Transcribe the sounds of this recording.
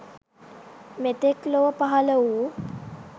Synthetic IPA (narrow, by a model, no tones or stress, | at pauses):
met̪ekloʋəpaɦaləuː